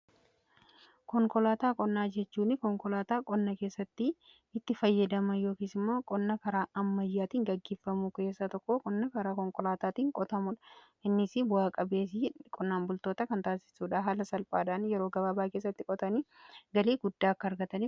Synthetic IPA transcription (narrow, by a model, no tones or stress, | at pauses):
kɔŋkʼɔlaːt̪aːkʼɔnːaːd͡ʒɛt͡ʃːuːnɪkɔŋkɔlaːt̪aːkʼɔnːɐke̞ːsːɐt̪ːɪ | ɪt̪ːɪfɐjːɐd̪ɐmɐjo̞ːkiːsɪmːo̞ːkʼɔnːɐkɐɾaːʔɐmːɐjːaːt̪iːŋɡɐɡːe̞ːfːɐmuke̞ːsːɐt̪ɔkːokʼɔnːɐkɐɾaːkɔŋkʼɔlaːt̪aːt̪iːŋkʼɔt̪ɐmʊᶑɐ̥ | ʔɪnːɪsɪbʊaːkʼɐbe̞ːsɪkʼɔnːaːmbʊlt̪oːt̪ɐkɐnt̪aːsɪ̥suːᶑaːɦaːlɐsɐlpʼaːᶑaːnjɛɾo̞ːɡɐbaːbaːkeːs̬ːɐt̪ːɪkʼɔt̪ɐniːɡɐleːɡʊd̪ːaːɐkːɐɾɡɐt̪ɐniː